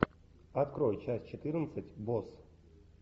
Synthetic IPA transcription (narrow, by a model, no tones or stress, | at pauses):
at̪kɾojt͡ɕasʲt͡ɕɪt̪ɨrnət̪sɨtʲbos